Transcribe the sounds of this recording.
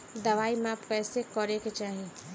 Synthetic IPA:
d̪ɐʋaːimẽapkɛːsekɔɾeket͡ʃaːɦie

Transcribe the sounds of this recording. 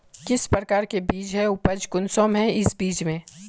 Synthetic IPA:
kɪspɾəkaːɾkebiːd͡ʒɦɛʊpəd͡ʒkʊnsoːmɦɛ̃ɪsbiːt͡ʃmẽː

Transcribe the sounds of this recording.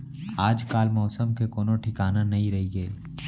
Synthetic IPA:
aːd͡ʒkaːlmɔːsəmkekoːnõʈʰɪkaːnanɐɦĩɾɐɦiɡɐeː

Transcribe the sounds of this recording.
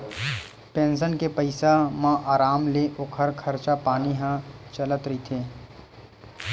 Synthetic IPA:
pẽːns̬ənkepəɪsamãʔaːɾaːmleʔʊkʰəɾkʰɐɾt͡ʃapaːniɦãt͡ʃələt̪ɾit̪ʰeː

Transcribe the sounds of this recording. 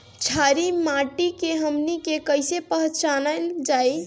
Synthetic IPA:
t͡ʃʰaɾimaʈikeɦəmnikekəɪsepəɦt͡ʃanəld͡ʒaj

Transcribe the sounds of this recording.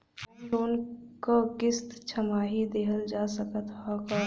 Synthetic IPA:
loːnkokɪst̪t͡ʃʰəmaɦid̪eːɦəld͡ʒasəkət̪ɦɔkə

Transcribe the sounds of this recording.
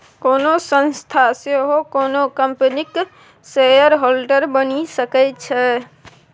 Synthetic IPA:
konosə̃nst̪ʰaseɦokonokəmpənik | sejəɾɦolɖəɾbənisəkɛt͡ʃʰɛ

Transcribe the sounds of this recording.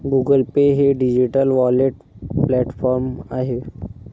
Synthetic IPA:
ɡuːɡəlpeɦeɖid͡ʒiʈəlʋɔːleʈ | plɛːʈfʰɔːɾmaɦe

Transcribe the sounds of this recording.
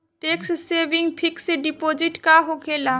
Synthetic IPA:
ʈekssebiŋɡpʰikseɖipod͡ʒiʈkaɦoɡela

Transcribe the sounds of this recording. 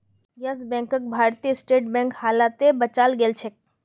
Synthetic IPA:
jɐsbɛ̃ːŋkək̚bʱaːɾt̪ijəsʈeːʈ̚bɛ̃ːŋkhaːlaːt̪ebɐt͡ʃaːlɡeːlt͡ʃʰek̚

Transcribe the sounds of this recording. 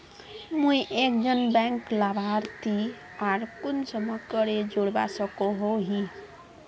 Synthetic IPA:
muiʔek̚d͡zʌnbaŋklabʱaɾt̪ʰi | aɾkunsʌmʌkʌɾed͡ʒoɽba̰sʌkoɦoɦi

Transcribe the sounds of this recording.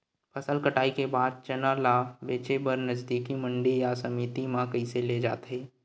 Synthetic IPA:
pʰɐsəlkəʈaːikebaːd̪̚t͡ʃənaːlaːbeːt͡ʃebəɾnəzd̪iːkimə̃ɳɖijasɐmiːt̪imãkəiseled͡ʒa̰ːt̪ɦeː

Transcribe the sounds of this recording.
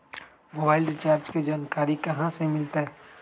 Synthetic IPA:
moːbaːɪlɾɪt͡ʃaːɾd͡ʒked͡ʒaːnkaːɾikɐɦãsemɪlt̪eɦɛ

